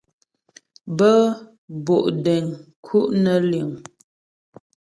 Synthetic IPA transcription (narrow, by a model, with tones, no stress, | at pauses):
bə˦ | bo˨ʔde˨ŋ | kʰu˦ʔnə˨li˨ŋ